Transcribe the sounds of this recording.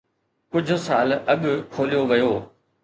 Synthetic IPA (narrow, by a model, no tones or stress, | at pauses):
kʊd͡ʑʱʊ̆saːlɐɠʊ̆kʰoːlijoʋɐjoː